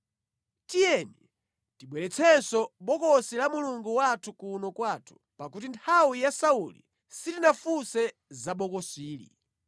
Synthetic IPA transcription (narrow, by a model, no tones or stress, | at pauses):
tijɛni | tiɓwɛlɛt͡sʰɛnsɔɓɔkɔsilamuluŋɡuwatʰukunɔkwaːtʰu̥ | pakutintʰawijasaulḭ | sitinafusɛ | zaɓɔkɔsiːlḭ